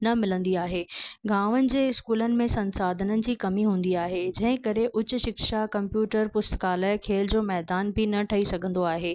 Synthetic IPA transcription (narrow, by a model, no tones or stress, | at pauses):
nɐmɪlə̃nd̪iaːɦeːɡaːʋənɪ̆d͡ʑeːɪskuːlənɪ̆mẽsɐ̃nsaːd̪ʱənənɪ̆d͡ʑiːkɐmiɦũːn̆d̪iaːɦed͡ʑɐ̃ɦɪ̃kɐɾeʔʊt͡ɕʊ̆ʃɪkʃakɐ̃mpjuːʈəɾpʊst̪kaːlaːɪkʰeːld͡ʑoːmɛːd̪aːnbʱɪnɐʈʰɐisɐɡʱə̃nd̪oaːɦeː